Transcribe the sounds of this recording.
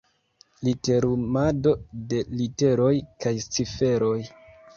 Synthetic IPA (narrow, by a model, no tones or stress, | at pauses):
lite̞ɾumado̞de̞lite̞ɾo̞jkajst͡sife̞ɾo̞j